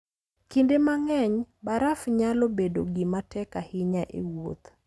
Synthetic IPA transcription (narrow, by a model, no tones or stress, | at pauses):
kindemaŋɛɲbaɾafɲalobedo̰ɡimatɛkahɪɲaʔḛwot̪